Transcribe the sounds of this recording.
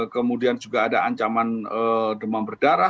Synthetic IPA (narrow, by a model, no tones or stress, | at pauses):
kəmudiand͡ʒuɡaːdaaɲt͡ʃamanədəmabərdaɾa